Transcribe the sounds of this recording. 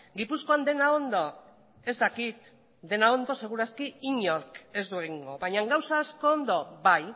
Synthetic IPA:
ɡipusko̞and̪e̞nao̞nd̪o̞ | e̞zd̪akit̪ | d̪e̞nao̞nd̪o̞se̞ɣ̞uɾaskiiɲoɾke̞zd̪uɣiŋɡo̞βaɲaŋɡawsasko̞ːnd̪o̞baj

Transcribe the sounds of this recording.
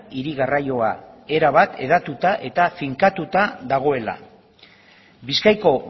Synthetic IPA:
iɾiɣarajo̞ae̞ɾaβat̪e̞ð̞at̪ut̪aʔe̞t̪afiŋkat̪ut̪aðaɣ̞o̞e̞la̰ | biskajko̞

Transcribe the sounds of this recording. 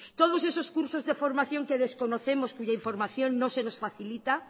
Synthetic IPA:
t̪oð̞osesoskuɾsozðefo̞ɾmaθjo̞ŋkeðeskonoθemoskuʝaiɱfo̞ɾmaθjonnosenosfaθilit̪a

